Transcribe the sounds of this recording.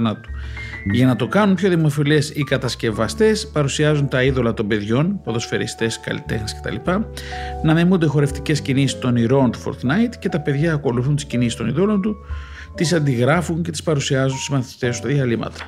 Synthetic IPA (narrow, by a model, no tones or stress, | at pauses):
nɐt̪u̥ʝɐnɐt̪o̞kɐnunpço̞ðimo̞filesikɐt̪ɐsce̞vɐst̪e̞spɐɾusiɐzunt̪ɐiðo̞lɐt̪o̞mbe̞ðʝo̞npoðo̞sfe̞ɾḭst̪e̞skɐ̰lḭt̪e̞xnisce̞t̪ɐ̰lipɐnɐmimund̪exo̞ɾe̞ft̪i̥ce̞scinisi̥st̪o̞niɾo̞nt̪u̥fo̰ɾt̪nɐjt̪ce̞t̪ɐpe̞ðʝɐːko̞luθunt̪i̥scinisist̪o̞niðo̞lo̞nt̪u | t̪isɐnd̪iɣɾɐfunce̞t̪i̥spɐɾusiɐzunsizmɐθit̪e̞sut̪ɐðiɐlimɐ̰t̪ɐ̥